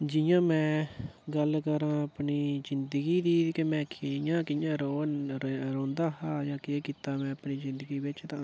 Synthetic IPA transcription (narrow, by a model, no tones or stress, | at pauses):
d͡ʒɪjãːmɛ̃ːɡəlkəɾãːəpɳiːzɪnd̪əɡiːd̪iːkemɛ̃ːkɪjãːkɪjãːɾoːnɾõːnd̪aːhaːjãːkɪeːkiːt̪aːmɛ̃ːəpniːzɪ̃nd̪əɡiːbɪt͡ʃt̪ãː